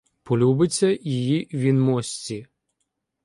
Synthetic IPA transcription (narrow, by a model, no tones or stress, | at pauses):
pɔlʲubɪt͡sʲːɐjijiʋʲinmɔsʲt͡sʲi